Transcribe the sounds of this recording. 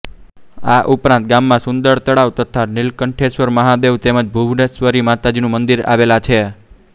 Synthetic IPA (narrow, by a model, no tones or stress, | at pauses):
aʔupɾãnt̪̚ɡamːãsʊ̃nd̪əɾt̪əɽaʋt̪ət̪ʰanɪlkəɳʈʰesʋəɾməɦad̪eʋt̪eməd͡ʒbʱubnesʋəɾimat̪ad͡ʒinũmənd̪iɾa̰ʋelat͡ʃʰe